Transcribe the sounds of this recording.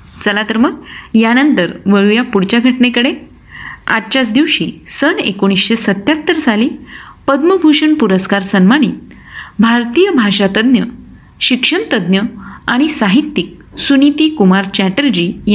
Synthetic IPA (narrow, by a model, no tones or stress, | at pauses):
t͡səlat̪əɾməɡjanənt̪əɾʋəɭujapuɽt͡ɕaɡʱəʈɳekəɽe | a̰tt͡ɕat͡sd̪iʋɕḭːsənḛkoɽ̃isɕesət̪jat̪ːəɾsaliːpəd̪məbʱuɕəɳpuɾəskaɾsənmaɽ̃iː | bʱaɾt̪ijəbʱaɕat̪əd̪njə | ɕikʂəɳt̪əd̪njəaɽ̃isaɦit̪ːik̚ | sunit̪iːkumaɾt͡ɕæʈəld͡ʑiːj